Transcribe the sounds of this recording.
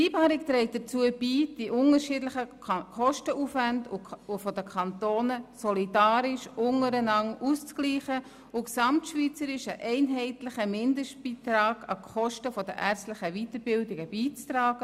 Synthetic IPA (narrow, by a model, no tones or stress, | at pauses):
iːpɑːɾɪk̚t̪ɾɛɪt̚d̥ət͡suːəb̥iːd̥iʔʊŋəɾʃɪdlɪχə | kχɔʃtəʔuːfʋændʊʊfɔdəkʰɑntoːnəsɔlidɑːɾɪʃʊŋəɾənɑŋust͡skliːχə | ʊksɑmtʃviːt͡səɾɪʃəʔɛɪnɦɛɪtlɪχəmɪndəʃtb̥iːtɾɑːɡ̥ɑ̰kχɔʃtəfɔd̥əʔæɾt͡sstlɪχəʋitəɾbɪldɪɡəbiːt͡straːɡ̥ə